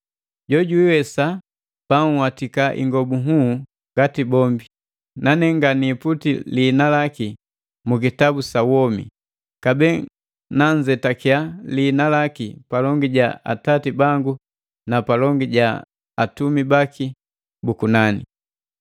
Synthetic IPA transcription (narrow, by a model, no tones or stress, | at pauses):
ɟɔɟuiwɛsa | paŋwatikaʔḭŋɡɔbuɦu | ŋɡatibɔmbi | nanɛŋɡaniːputiliːnalaki | muk̬itabusawɔmḭ | kabɛ | naɲd͡ʒɛtakjaliːnalakipalɔŋɡiɟaa̰tatibaŋɡu | napalɔŋɡiɟa | atumibakʰi | bukunanḭ